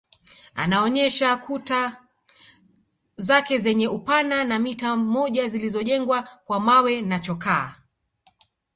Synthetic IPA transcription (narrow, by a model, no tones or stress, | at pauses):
a̰naɔɲɛʃakuta | zakɛzɛɲɛupananamitamɔʄazilizɔʄɛŋɡwakwamawɛnat͡ʃɔkaː